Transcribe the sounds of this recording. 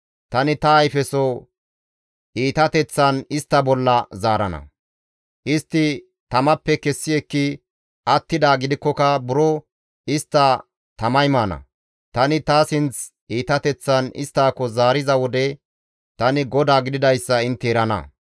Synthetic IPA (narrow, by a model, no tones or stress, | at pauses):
t̪ɐnɪt̪ɐːjfɛsɔ | ʔiːt̪ɐt̪ɛt͡sːɐnɪst̪ːɐbɔlːɐzaːɾɐ̰nɐ̰ | ʔɪst̪ːɪ | t̪ɐmɐpːɛkɛsːɪɛkːɪ | ʔɐt̪ːɪd̪aːɡɪd̪ɪkːɔkɐbʊɾɔ | ɪst̪ːɐ | t̪ɐmɐjmaːnɐ̰ | t̪ɐnɪt̪aːsɪnt͡s | iːt̪ɐt̪ɛt͡sːɐnɪ̰st̪ːaːkɔzaːɾɪzɐwɔd̪ɛ | t̪ɐnɪɡɔd̪aːɡɪd̪ɪd̪ɐjsːɐɪnt̪ːɪɛɾɐnɐ̰